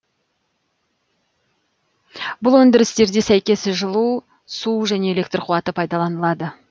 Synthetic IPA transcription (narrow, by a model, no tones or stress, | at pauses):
bʊlˠwɵnd̪ɪɾɪst̪e̞ɾd̪esæjkʲe̞sɪʒəlˠu | suʒæne̞ele̞kt̪rqʰuwɑt̪əpʰɑjd̪ɑlˠɑnəlˠɑd̪ə